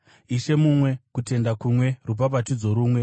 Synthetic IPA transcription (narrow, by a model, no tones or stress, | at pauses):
iʃe̞mumwe̞kute̞ndakumwe̞rup̬apatid͡zo̞ɾuːmwe̞